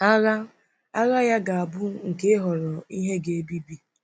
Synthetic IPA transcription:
a˦ɣa˦ | a˦ɣa˦ja˦ɡa˨a˨bʊ˦ŋ̩˨ke˦e˦ɦɔ˨ɾɔ˨i˦ɦe˦ɡe˦e˦bi˦bi˦

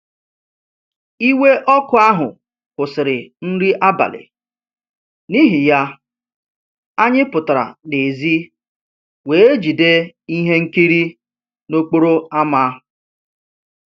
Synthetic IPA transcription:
i˦we˦ʔɔ˦kʊ˨a˦ɦʊ˨ | kʊ˨sɪ˨ɾɪ˨n̩˦ɾi˦ʔa˦ba̰˨lɪ̰˨ | ni˦ɦɪ˨ja˦ | a˦ɲɪ˦pʊ˨ta˨ɾa̰˨ne˨zi˦ | we˨e˦d͡ʒi˨de˦ | i˦ɦe˦ŋ̩˦ki˦ɾi˦ | no˦k͡po˦ɾo˦a˦ma˦˨

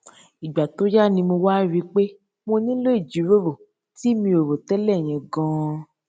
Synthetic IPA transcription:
i˨ɡ͡ba˨to˦ja˦˨nĩ˧mo˧wa˦ɾi˨˦k͡pe˦ | mo˧nĩ˦lo˦i˦˨d͡ʒi˨˦ɾo˦˨ɾo˨ | ti˦mĩ˧o˨ɾo˨tɛ˦lɛ˦˨j̃ɛ̃˨ɡã˧˦

